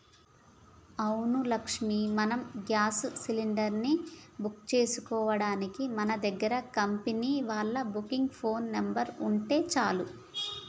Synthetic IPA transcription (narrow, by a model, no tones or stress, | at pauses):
ɐwnulɐkʂmimɐnɐmɡjaːssiliɳɖɐɾnibukt͡ʃe̞ːsukɔːʋɐɽaːnikimɐnɐd̪ɐɡːɐɾɐkɐmpeniːʋaːɭːɐbukiŋɡpʰo̞ːnːembɐɾuɳʈe̞ːt͡ʃaːlu